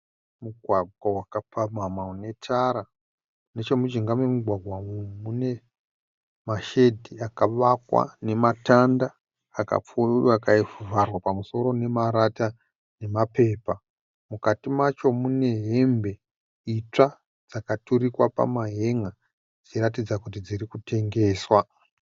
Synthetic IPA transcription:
muɡʱwaɡʱwawakapʰamamaune̞tʰaɾa | net͡ʃemut͡ʃiŋɡamemuɡʱwaɡʱwamune̞ | maʃe̞dʱiakaʋakwa̰ne̞matandaː | ka̰p͡fuakaifuvarwapamuso̞ɾo̞ne̞maɾata | ne̞mape̞ːpa | mukatimat͡ʃo̞mune̞ɦe̞mbe̞ | it͡ʂa | d͡zakatuɾikwapa̰maɦe̞ŋa | d͡ziɾat̬id͡zakutid͡zirikutʰe̞ŋɡe̞ːswa

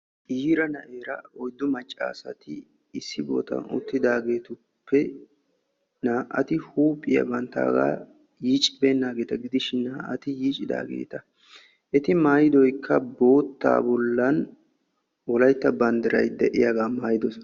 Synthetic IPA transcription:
ʔiːɾɐnɐʔeːɾɐɔjd̪ːʊmɐt͡ʃʼːa̰ːsɐt̪ɪ | ɪsːɪbo̰ːt̪ɐ̰nʊ̰t̪ːɪd̪aːɡe̞ːt̪ʊ | pʰːɛ | naːʔɐt̪ɪhuːpʼːɪjɐ̰bɐnt̪ːa̰ːɡa̰ː | jiːt͡ʃʼɪbeːnːaːɡe̞ːt̪ɐɡɪd̪ɪʃɪnnːaːʔɐ̰t̪ɪjiːt͡ʃʼɪd̪a̰ːɡḛːt̪ɐ | ʔɛt̪ɪmaːjɪd̪ɔjkʰːɐbo̞ːt̪ːa̰ːbɔlːɐn | wɔlɐjt̪ːɐbɐnd̪ɪɾɐ̰jd̪ɛʔɪjaːɡaːmaːjɪd̪ɔs

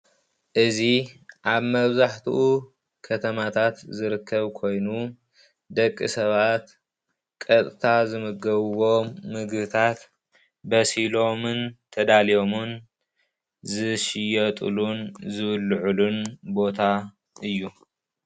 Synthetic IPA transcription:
ʔɨziʔaβmɐβzaħt̪ʰuʔu | kʰɐt̪ʰɐmat̪ʰat̪zɨɾɨkʰːɐβkʰo̞jnu | d̪ɐkʼːisɐβat̪ | kʼɐt̪ʼt̪ʰazɨmɨɡɐβwo̞mɨɡbɨt̪ʰat̪ | bɐsilo̞mɨnt̪ʰɐd̪alijo̞mun | zɨʃɪjɐt̪ʼɨ̰lunzɨβɨlːʕulunbo̞t̪ʰa | ʔɨjːu

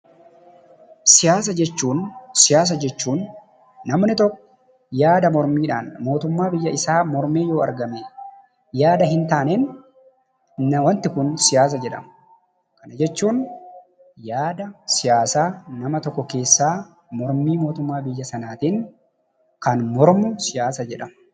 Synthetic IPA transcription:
sɪjaːs̬ɐd͡ʒɛt͡ʃːuːnsɪjaːs̬ɐd͡ʒɛt͡ʃːuːnː | ɐmnɪt̪ɔkːɔ̥ | jaːd̪ɐmɔɾmiːᶑaːnmo̞ːt̪ʊmːaːbɪjːɐɪsaːmɔɾmeːjo̞ːɐ̰ɾɡɐmeː | jaːd̪ɐɦɪnt̪aːnen | nɐwɐnt̪ɪkʊnsɪjaːs̬ɐd͡ʒɛᶑɐ̰m | kɐnɐd͡ʒɛt͡ʃːuːn | jaːd̪ɐsɪjaːsaːnɐmɐt̪ɔkːɔke̞ːsːaː | mɔɾmiːmo̞ːt̪ʊmːaːbɪjːɐsɐnaːt̪iːŋ | kɐnmɔɾmʊsɪjaːsɐd͡ʒɛᶑɐm

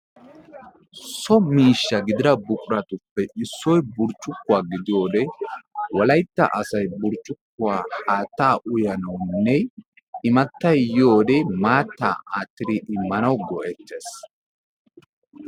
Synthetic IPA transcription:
sɔmiːʃːɐɡɪd̪ɪɾɐbʊkʼʊɾɐt̪ʊpːɛʔɪsːɔjbʊɾt͡ʃʼːʊkːʊwaːɡɪd̪ɪjo̞ːd̪ɛwɐlɐjt̪ːɐ̰ʔɐsɐjbʊɾt͡ʃʼːʊkːʊwaːhaːt̪ːaːʔʊjɐnɐwnːɛ | ɪmɐt̪ːɐjjo̞ːd̪ɛmaːt̪ːa̰ːʔaːt̪ːɪd̪ɪʔɪmːɐnɐwɡɔʔɛt̪ːeːs

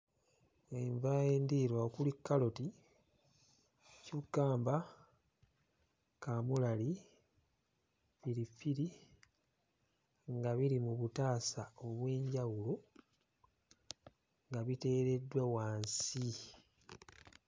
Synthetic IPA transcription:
eɱvajeːndiːɾwaokulikːalo̞ti | cuɡ̥aːmba | kamulali | fiɾifiɾi | ŋɡaβiɾimuβutaːsao̞βwe̞ːɲɟawulo | ŋɡaβite̞ːɾe̞dwewaːnsi

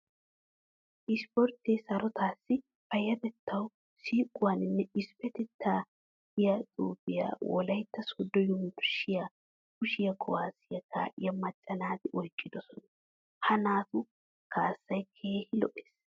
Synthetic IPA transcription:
ʔɪspɔɾt̪ːeːsɐɾɔt̪ʰaːsːɪ | fɐjɐd̪ɛt̪ːɐw | siːkʼːʊwaːnɪnːɛɪspɛt̪ɛt̪ʰːaː | ɪjɐt̪ʼuːbɪja̰ːwɔlɐjt̪ːɐsʊd̪ːɔjɔmʊɾʊʃɪjaː | kʊʃɪjɐkʰɔwaːsɪjɐkʰa̰ːʔɪjɐmɐt͡ʃʼːɐnaːd̪ɪʔɔjkʼːɪd̪ɔsɔnɐ | hɐnaːt̪ʊ | kʰaːsːɐjkʰe̞ːhɪlɔʔe̥ːs

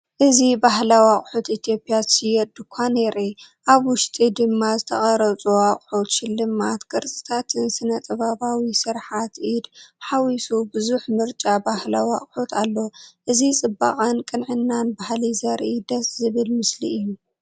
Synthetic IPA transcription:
ʔɨzibaɦlawaχʼħut̪it̪ʰjo̞pʼːjasɨjɛd̪ɨkʷʰaneɾi | ʔaβwʊʃt̪ʼid̪ɨmːazɨt̪ʰɐχʼɐɾɐt͡sʼuwaχʼħut̪ʃɪlːɨmat̪kʼɨɾt͡sʼɨ̥t̪ʰat̪ʰɨnsɨnɐt̪ʼɐβaβawisɨɾħat̪ʔid̪ħawisubɨzuħmɨɾt͡ʃʼabahlawaχʼħut̪ʰalːoʔɨzit͡sʼɨba̰qʼankʼɨnʕɨnːanbahlizɐɾʔid̪ɐszɨβɨlmɨslḭʔɨjːu

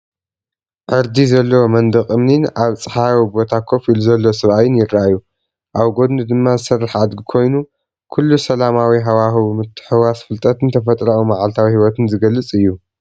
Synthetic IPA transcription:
ʕɨɾd̪izɐlːɐwomɐnd̪ɨχʼɨmninaβt͡sʼɨħawibo̞t̪ʰakʰo̞filuzɐlːosɨβʔajɪnjɪɾaʔajːu | ʔaβɡo̞d̪nɨd̪ɨmːazɨsɐrːaħad̪ɡikʰo̞jnu | kʰulːusɐlamawiɦawaximɨt̪ʰːɨ̥ħɨwasfɨlt̪ʼɐt̪ɨnt̪ʰɐfɐt̪ʼɾaumaʕalt̪ʰawihiwɔt̪ʰɨnzɨɡɐlːɨt͡sʼɨjːu

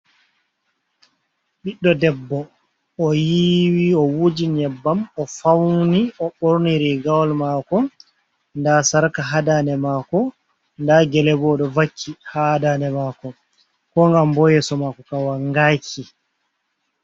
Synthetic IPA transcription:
ɓiɗːɔdɛbːɔː | jiwiɔwud͡ʒiɲɛbːamɔfawniʔɔɓoɾniɾiɡawlmaːkɔ | ndasaɾkaɦadanɛmaːkɔ | ndaɡɛlɛbɔɗɔvakʰːihadaːnɛmaːkɔ | kɔŋɡambɔjɛsɔmakɔkawaŋɡaːkʰi

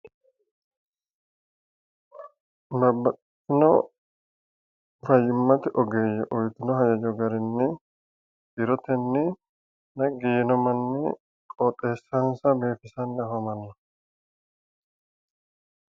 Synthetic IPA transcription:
bɐɾbːɐt̪ː | ɪnɔ | fɐjːɪmːɐt̪ɪʔɔɡeːjɛʔɔjt̪ɪnɔɦɐjɐd͡ʒɔɡɐɾɪnːɪ | ɪɾɔt̪ɛnːɪ | nɐɡiːnɔmɐnːɪ | kʼɔt̪ʼːe̞ːsːɐnsɐbe̞ːfɪsɐnːɪɐfɐmɐnːɐ

